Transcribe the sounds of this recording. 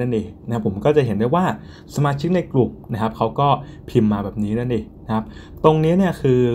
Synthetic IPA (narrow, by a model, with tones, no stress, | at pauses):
a˥˩nʔeː˧˩na˦kʰpʰːo˩˦mkɔː˥˩t͡ɕa˨˩ɦe˩˦nduː˥˩jwaː˥˩ | sa˧maː˧t͡ɕʰi˦˥k̚na˧jklu˨˩k̚na˦˥kʰa˦˥p̚kʰa˦˥wkɔː˥˩pʰi˧mːaː˧bɛː˨˩p̚niː˦˥na˦˥˩nʔeː˧˩na˦˥kʰa˦˥p̚ | t̪o˧ŋniː˦˥ni˥˩ɐkʰɯː˧